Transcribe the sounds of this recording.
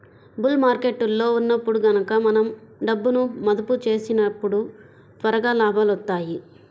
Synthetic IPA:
bulmaːɾke̞ʈːulːo̞ːunːɐpːuɽuɡɐnɐkɐmɐnɐmɖɐbːunumɐd̪ɐput͡ʃe̞ːsinɐpːuɽu | t̪ʋɐɾɐɡaːlaːbʱaːlɐt̪ːaːji

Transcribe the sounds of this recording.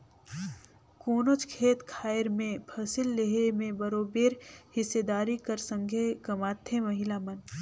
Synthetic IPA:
koːnot͡ʃkʰeːt̪kʰaːɪɾmẽpʰɐsɪlːeɦemẽbɐɾoːbeːɾhɪsːed̪aːɾikɐɾsə̃ŋɡʱekɐmaːt̪ʰːemɐɦɪlamɐn

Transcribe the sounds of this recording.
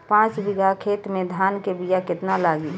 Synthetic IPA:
pãːt͡ʃbɪɡakʰeːt̪mẽd̪ʱaːnkebijakɪt̪nalaːɡi

